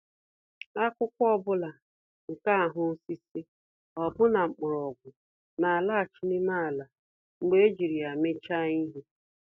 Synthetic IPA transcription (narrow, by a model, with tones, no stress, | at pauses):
a˦kʷʊ˦kʷɔ˦bʊ˦la˨ | ŋ̩˨ka˦a˨ɦʊ˦si˦si˦ | ɔ˨bʊ˦na˨ŋ͡m̩˨k͡pʊ˨ɾɔ˨ɡʷʊ˨ | na˨a˨la˦a˨t͡ʃi˦nɪ˦ma˦a˨la˨ | ŋ͡m̩˨ɡ͡be˦e˦d͡ʒi˨ɾi˨a˨me˦t͡ʃa˦i˦ɦi˦